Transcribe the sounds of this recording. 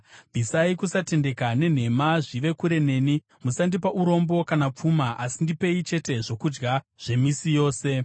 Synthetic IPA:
bʱisaikusate̞nde̞kane̞n̤e̞maʐiʋe̞kuɾe̞ne̞ːni | musandipaʔuɾo̞mbo̞kanap͡fumaʔasindipe̞it͡ʃe̞te̞ʐo̞kud͡ʒɡa | ʐ̥e̞misijo̞ːse̞

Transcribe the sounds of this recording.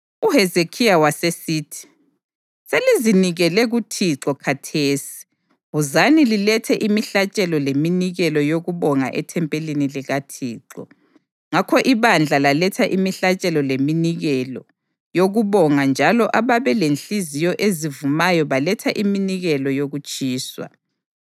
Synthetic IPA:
uɦɛzekʰijawasesiːtʰi̥ | seliziniɣɛlɛɣutʰiǁɔkʰatʰeːsi̥ | βuzanililɛtʰɛʔimiɬat͡ʃʼɛlɔleminiɣɛlɔjoɣuβɔŋa̰ʔɛtʰɛmpʼeliniliɣatʰiːǁɔ̰ | ŋakʰɔʔiβand͡ɮʱalalɛtʰaʔimiɬat͡ʃʼɛlɔleminiɣɛlɔ | joɣuβɔŋand͡ʒʱalɔʔaβaβɛlenɬizijɔʔezivumajɔβalɛtʰaʔiminiɣɛlɔjoɣut͡ʃʼiːswa̰

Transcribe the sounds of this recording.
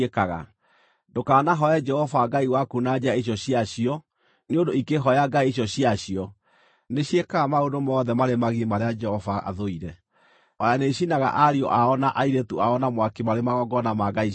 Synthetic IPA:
ekaɣa̰ | ndokaːnaɦɔɛd͡ʒɛhɔvaɡaiwakunad͡ʑaeɕ̬jɔɕiaɕiɔ | neondoikeɦɔjaɡaiɕ̬jɔɕiaɕjɔ | neɕjekaɣamaodomɔːðɛmaɾemaɣimaɾead͡ʒɛhɔvaa̰ðoiɾɛ | aaneɕinaɣa̰ʔaɾiɔ̰ʔaɔnaʔaiɾetuaɔnamwakemaɾemaɣɔɡɔnamaɡai

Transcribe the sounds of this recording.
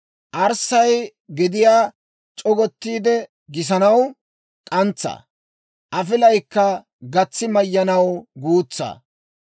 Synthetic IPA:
ʔɐɾsɐj | ɡɪd̪ɪjaː | t͡ʃʼɔɡɔt̪ːiːd̪ɛ | ɡɪs̬ɐnɐw | kʼɐnt͡sːɐ̰ː | ʔɐfɪlɐjkːɐ | ɡɐt͡sːɪmɐjːɐnɐwɡuːt͡sːɐ̰ː

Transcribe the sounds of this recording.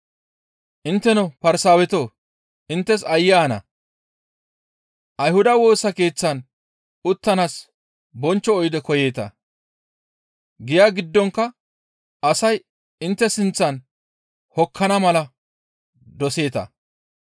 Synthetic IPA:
ʔɪnt̪ːɛnɔpɐɾsaːwɛt̪o̞ː | ʔɪnt̪ːɛsɐjːaːnɐ̰ | ʔɐjhʊd̪ɐwo̞ːsɐke̞ːt͡sːɐn | ʊt̪ːɐnas | bɔnt͡ʃːɔːjɪd̪ɛkɔje̞ːt̪ɐ̰ | ɡɪjaːɡɪd̪ːɔŋkːɐ | ɐsɐj | ɪnt̪ːɛsɪnt͡sːɐn | hɔkʰːɐnɐmɐlɐ | d̪ɔse̞ːt̪ɐ̰

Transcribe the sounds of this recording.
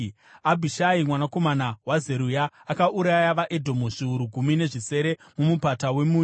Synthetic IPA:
abʱiʃaimwanako̞manawaze̞ɾujaːkaʔuɾajaʋaʔedʱo̞muʐ̥iuɾuɡʱumine̞ʐise̞ɾe̞ | mumupatawe̞muː

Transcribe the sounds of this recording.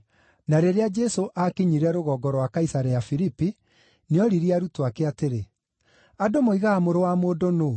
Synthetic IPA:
naɾeɾead͡ʒɛsoʔakiɲiɾɛɾoɣɔːɡɔɾwakaisaɾɛafiɾipi | neɔɾiɾiaɾutoakeateɾe | adomoiɣaːmoɾowamoːdono

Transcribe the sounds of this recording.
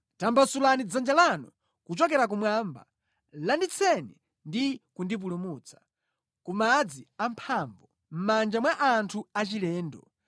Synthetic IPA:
tambasulanid͡zand͡ʒalanɔ̰ | kut͡ʃɔkɛɾak̬umwaːmba̰ | landit͡sʰɛni | ndikundip̬ulumuːt͡sʰḁ | kumad͡ziam̩pʰaːɱbɔ | m̩mand͡ʒamwaʔantʰuat͡ʃilɛːndɔ̰

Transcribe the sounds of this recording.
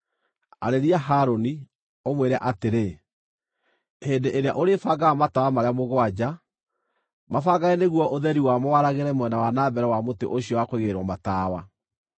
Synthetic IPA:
a̰ɾeɾiaɦaɾoni | omweɾɛʔateɾe | hendeʔeɾea̰ʔoɾefaɡaamatawamaɾeamoɣwad͡ʑa | mafaɣaɛneɣwɔʔoðɛɾiwamowaɾaɣeɾɛmwɛnawanaːbɛɾɛwamotḛʔoɕiɔwakweɣeɾwamataːwa

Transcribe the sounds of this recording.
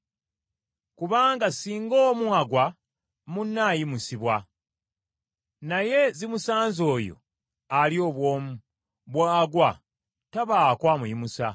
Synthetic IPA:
kuβaːŋɡasiːŋɡoːmwuaɡwa | munːaːjimusiβwa | naje̞zimusaːnzo̞ːjo̰ | alio̞ːβwoːmu | βwaːɡwa | taβaːkwaːmujimusa̰

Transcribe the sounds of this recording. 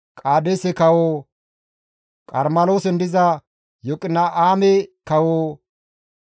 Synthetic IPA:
kʼaːd̪esɛkɐwoː | kʼɐɾmɐloːsɛnd̪ɪzɐ | jɔkʼɪnːɐʔaːmɛkɐwoː

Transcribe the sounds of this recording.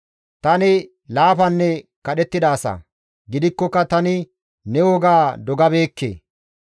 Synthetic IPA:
t̪ɐnɪ | laːfɐnːɛkɐɗɛt̪ːɪd̪aːsɐ̰ | ɡɪd̪ɪkːɔkːɐt̪ɐnɪ | nɛwɔɡaːd̪ɔɡɐbe̞ːkːḛː

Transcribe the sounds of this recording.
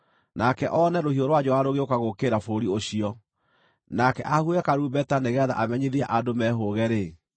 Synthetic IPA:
nakɛʔɔnɛɾohioɾwad͡ʑɔaɾoɣeokaɣokeːɾafoɾioɕiɔ | nakɛʔahuɛkaɾuːbɛtaneɣɛða̰ʔamɛɲeðiaʔadomɛɦoːɣɛɾe

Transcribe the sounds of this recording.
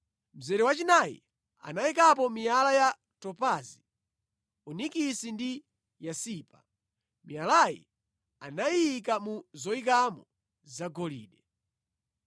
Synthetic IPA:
m̩zɛɾɛwat͡ʃinajḭ | a̰naikapɔmijalaja | tɔpazi | unikisindi | jasiːpa | mijalajḭ | a̰najik̬amuzɔik̬amɔ | zaɡɔlḭːɗɛ

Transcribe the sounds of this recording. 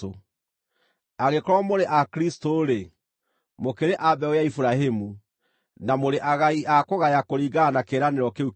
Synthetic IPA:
o | aɣekɔɾɔmoɾeʔakɾistoːɾe | mokeɾeʔabɛojaifuɾaɦemu | namoɾeʔaɣaiʔakoɣajakoɾiɡanakeɾaneɾɔkeu

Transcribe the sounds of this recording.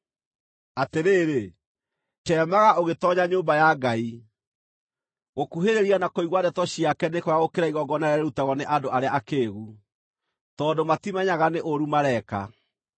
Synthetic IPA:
ateɾeːɾe | tɛːmaɣaʔoɣetɔɲaɲoːmbajaɡai | ɣokuɦeɾeɾianakoiɣwadɛtɔɕiakɛnekɔɾaɣokeɾaiɣɔɡɔnaɾɛɾeɾutaɣɔneʔadoʔaɾeaʔakeːɣu | tɔːndomatimɛɲaɣaneʔoɾumaɾɛka̰

